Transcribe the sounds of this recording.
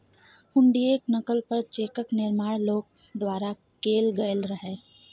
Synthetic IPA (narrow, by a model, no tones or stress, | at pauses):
hʊɳɖieːknɐkəlpɐɾt͡ʃeːkəknɪɾmaːɽloːk̚d̪waːɾa | keːlɡəjəlɾɐɦeː